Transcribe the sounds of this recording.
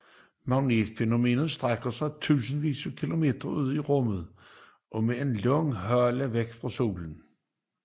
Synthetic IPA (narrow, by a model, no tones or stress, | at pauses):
mɑ̈ʊneːd̥feno̝me̝̰ːnəð̩ˠsd̥ʁaɡ̥ɐsɑ̈ɪt͡sʰṵːsn̩ʋḭːsəkʰilo̝me̝̰ːd̥ʁɐuð̞̰ˠiʁɔ̽məð̩ˠ | ʔɒ̽mee̝nlɔŋɦɶɐləʋeɡ̥fʁɑ̈so̝̰ːln̩